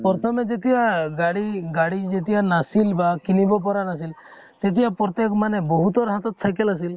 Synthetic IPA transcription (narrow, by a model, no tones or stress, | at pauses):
pɔɾt̪ʰɔmed͡ʒet̪iaɡaɽiɡaɽid͡ʒet̪ianasilbakinibɔp̬ɔɾanasil | t̪et̪iapɾɔt̪ekɔmanebɔɦut̪ɔɾɔɦat̪ɔt̪ːʰajkɛlas̬il